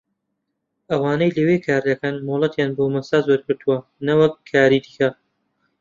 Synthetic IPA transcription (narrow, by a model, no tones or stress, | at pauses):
ɐwaːnɐjlɐwekʰaːɾd̪ɐkɐnmoːlˠɐt̪jaːnboːmɐsaːzwɐɾkɨɾt̪ʰuwɐnɐwɐkʰːaːɾiːd̪ikɐ